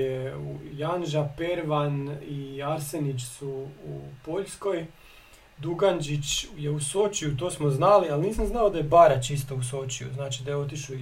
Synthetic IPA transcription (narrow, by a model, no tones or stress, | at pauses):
eṵjanʒape̞ɾʋaniaɾsenit͡ʃsuupo̞ʎsko̞j | d̪uɡand͡ʒit͡ʃjeusot͡ʃijut̪o̞ːsmoznalialniːsamznaod̪ajebaɾat͡ʃist̪ousot͡ʃijṵznaːt͡ʃid̪ajeo̞t̪iʃu